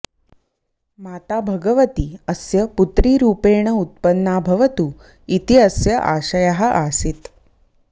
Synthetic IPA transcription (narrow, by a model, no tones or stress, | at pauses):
maːt̪aːbʱɐɡɐʋɐt̪iɐsjɐput̪ɾiːɾuːpeːɳɐut̪̚pɐnːaːbʱɐʋɐt̪u | it̪iɐsjɐʔa̰ːʃɐjaɦɐ̆ʔaːsit̪